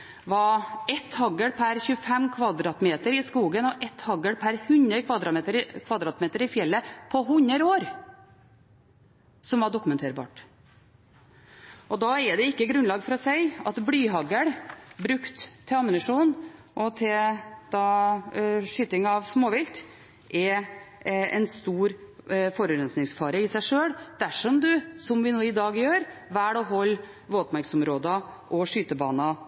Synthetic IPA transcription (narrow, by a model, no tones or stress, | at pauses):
ʋɑɛt̪hɑɡəɽpʰæɾçʉːəfɛmkʰʋɑd̪ɾɑːt̪meːt̪əɾɪskuːɡənɔʔɛt̪hɑɡəɽpʰæɾhʉnəkʰʋɑd̪ɾɑmeːt̪əɾkʰʋɑd̪ɾɑːt̪meːt̪əɾɪfjɛlːəpʰɔɦʉɲːəɾoːɾ | sɔmʋɑɖʊkːʉmɛnt̪ʰeːɾbɑ̰ːʈ | ʔɔd̪ɑɛd̪ɛɪkːəɡɾʉnlɑːɡfɔɾɔsæɪɑt̪blyːɦɑɡəɽbɾʉkt̪ʰːɪɑmɪnɪʂuːn | ʔɔt̪ʰɪld̪̥ɑ | ʂyːt̪ɪŋɑʋsmoːʋɪlt̪ | ʔɛ | ɛ̰nst̪uːɾfɔɾʉɾɛnsnɪŋsfɑːɾəɪsæɪʂøːɽd̪̥æʂɔmd̪ʉsɔmʋɪnuːɪd̪ɑːɡjøːɾʋæːɽɔɦɔlː | ʋoːt̪ɔpmæɾksɔmɾoːd̪ɑʔɔʂyːt̪əbɑːnɑ